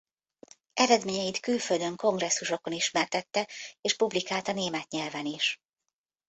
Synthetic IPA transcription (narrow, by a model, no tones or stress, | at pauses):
ʔɛɾɛd̪meːɲɛjit̪kylføld̪ø̞ŋko̞ŋɡrɛsːuʃo̞ko̞niʃmɛrt̪ɛt̪ːɛeːʃpublikaːlt̪ɒneːmɛt̪ɲɛlvɛniʃ